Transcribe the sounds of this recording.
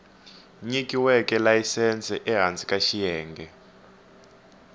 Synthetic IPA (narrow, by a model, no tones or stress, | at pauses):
ɲikʼiwɛkʼɛlajisɛnt͡sʼɛʔɛɦant͡sʼikʼaʃijɛːŋɡʱɛ